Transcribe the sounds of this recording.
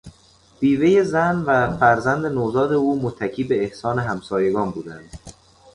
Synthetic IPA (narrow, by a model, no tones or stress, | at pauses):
b̥iːve̞jezænvæfæɾzænd̪enozɒːd̪euːmot̪ʰːæcʰiːbe̞ːhsɒːne̞ɦæmsɒːje̞ɡɒːnbuːd̪ænd̪̥